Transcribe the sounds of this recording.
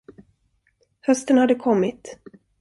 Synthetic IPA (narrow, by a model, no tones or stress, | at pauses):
hœst̪ənhad̪ːəkʰɔmːɪt̪